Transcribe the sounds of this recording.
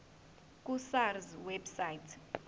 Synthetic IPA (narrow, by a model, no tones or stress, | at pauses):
kʼusarzwɛbsajtʰ